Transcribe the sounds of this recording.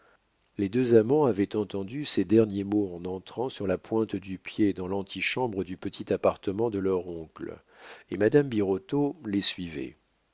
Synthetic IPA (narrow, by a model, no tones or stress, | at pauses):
led̪øzamɑ̃avɛt̪ɑ̃t̪ɑ̃d̪ysɛd̪ɛʁnjemoɑ̃nɑ̃t̪χɑ̃syʁlapwɛ̃t̪d̪ypjed̪ɑ̃lɑ̃t̪ʰiʃɑ̃bʁəd̪ypət̪ʰit̪apaʁt̪əmɑ̃d̪əlœʁɔ̃kl | ḛmad̪ambiʁɔt̪olesɥivɛ̰